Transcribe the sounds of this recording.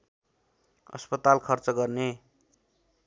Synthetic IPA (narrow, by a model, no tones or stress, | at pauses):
ʌ̰spʌt̪alkʰʌrt͡sʌɡʌrne